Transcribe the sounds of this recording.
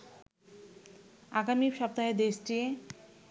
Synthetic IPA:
aɡamiʃɔp̚t̪aɦed̪eʃʈie

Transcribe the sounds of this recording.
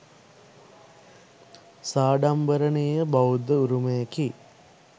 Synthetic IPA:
saːɖambəɾəneːəbaud̪ːəuɾumejɐki

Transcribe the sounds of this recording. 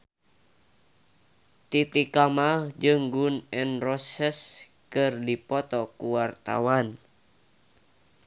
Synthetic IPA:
t̪it̪ikamahd͡ʒɨŋɡunɛnrɔsɛs | kɨrdipɔt̪ɔkuwart̪a̰wan

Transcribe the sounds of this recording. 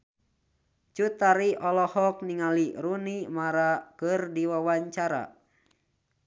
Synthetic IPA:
t͡ʃut̪aɾiʔɔlɔhɔk̚niŋaliɾunimaɾakɨrdiwawaɲt͡ʃaɾa̰

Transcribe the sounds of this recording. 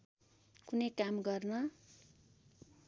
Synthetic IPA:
kunejkamɡʌrnʌ

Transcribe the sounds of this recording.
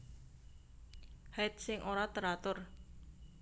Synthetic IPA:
hat̪̚sɪŋʔoɾat̪əɾat̪ʊr

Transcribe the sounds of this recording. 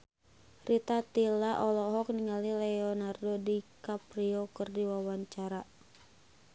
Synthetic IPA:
rʔit̪at̪ilaʔɔlɔɦɔk̚niŋalilɛɔnardɔdikapriɔkərdiwawaɲt͡ʃaɾa

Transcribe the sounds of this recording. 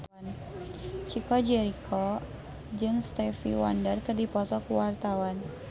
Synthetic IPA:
n | t͡ʃikɔd͡ʒɛɾikʰɔ | d͡ʒɨŋst̪ɛfḭwa̰ndərkərdipɔt̪ɔkuwart̪awan

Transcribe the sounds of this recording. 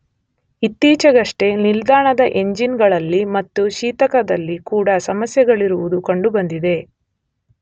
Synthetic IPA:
it̪ːiːt͡ʃɐɡɐʂʈe̞nild̪aːɳɐd̪ɐʔe̞ɲd͡ʒinɡɐɭɐlːimɐt̪ːuʃiːt̪ɐkɐd̪ɐlːikuːɽɐsɐmɐsjɐɡɐɭiɾuʋud̪ukɐɳɖubɐnd̪id̪e̞

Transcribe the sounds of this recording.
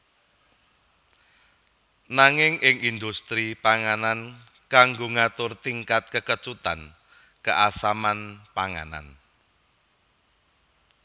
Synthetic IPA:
naŋɪŋʔɪŋind̪ust̪ɾipaŋanan | kaŋɡoŋat̪ʊrt̪iŋkat̪̚kəkət͡ʃut̪an | kəʔasamanpaŋa̰na̰n

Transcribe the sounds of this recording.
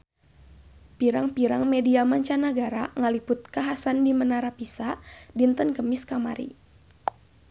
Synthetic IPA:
piɾaŋpiɾaŋmediamaɲt͡ʃanəɡaɾaŋalipʊt̪̚kaɦasandimənaɾapisadint̪ənkəmɪskama̰ɾḭ

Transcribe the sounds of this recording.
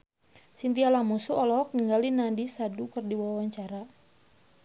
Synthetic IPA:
sint̪ialamusuɔlɔk̚niŋɡalinandisadukərdiwawaɲt͡ʃaɾa

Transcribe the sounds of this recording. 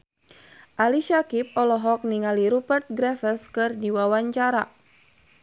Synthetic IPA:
ʔaliʃakip̚ɔlɔɦɔk̚niŋaliɾubərt̪̚ɡɾɛfəskɨrdiwawaɲt͡ʃaɾa

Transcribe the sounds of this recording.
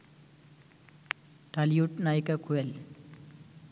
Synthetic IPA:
ʈalijuʈnajkakʰuel

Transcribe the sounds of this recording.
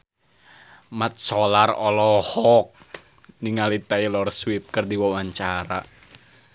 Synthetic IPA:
mat̪̚sɔlarɔlɔhɔk̚ | niŋalit̪ailɔrswip̚kərdiwɔwaɲt͡ʃaɾa̰

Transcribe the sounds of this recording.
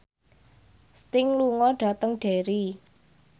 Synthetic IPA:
st̪ɪŋluŋɔɖ̥a̤t̪əŋɖ̥e̤ɾi

